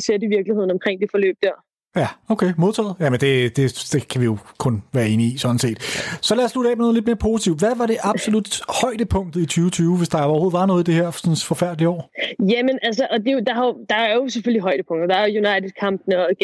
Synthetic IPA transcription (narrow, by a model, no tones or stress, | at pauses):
seɐ̰diʋiɐɡ̥lihe̝ð̰ˠn̩ɒ̽mkʰʁeŋ̰d̥e̝fɒ̽lø̰ːb̥̚d̥æɐ̰ | jæoʊkʰemo̝ðˠt͡sʰɛ̰ːð̩ˠjæmend̥e̝d̥e̝d̥e̝kʰæʋijo̝kʰɔ̽nʋæːɐe̝ːnəisɒ̥̽n̩se̝̰ːd̥sɒ̽læɐslud̥ɛ̰ːmɒnoð̩ˠle̝d̥̚me̝ːɐpʰo̝ːsi̥t͡sʰiʊ̰d̥ʋæʋɑ̈ɾ̥e̝ʔɑ̈b̥so̝lud̥hɒ̽ɪ̰d̥əpʰɔ̽ŋ̰d̥ð̩ˠit͡sʰyːʊt͡sʰyːʊʋe̝sd̥ɑ̈ɒɐho̝ð̩ˠʋɑ̈nɔ̽ːð̩ˠid̥e̝heɐ̰sɒ̽nfɒ̽fæɐ̰d̥liəɒ̰ːjæmenæls̬əʔɒ̽d̥e̝od̥ɑ̈hɑd̥ɑ̈æɐjo̝seføl̰iɦɒ̽ɪdəpʰɔ̽ŋ̰d̥̩d̥ɑ̈æɐojunɑ̈ɪdʰe̥kʰɑ̈mb̥nɒ